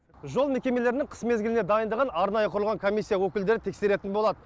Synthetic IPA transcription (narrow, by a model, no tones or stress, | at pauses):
ʒo̞lˠme̞kʲe̞me̞le̞ɾɪnɪŋqʰə̥sme̞zɡʲɪlɪned̪ɑjənd̪əʁɑnɑɾnɑjəqʰʊɾlˠʁɑŋkʰo̞mʲisːijawɵkʲɪld̪e̞ɾɪt̪ʰe̞kseɾe̞t̪ɪnbo̞lˠɑd̪ə